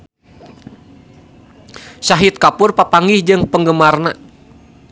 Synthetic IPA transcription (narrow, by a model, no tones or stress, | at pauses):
saɦɪt̪̚kapʊrpapaŋɪhd͡ʒɨŋpəŋɡəmarna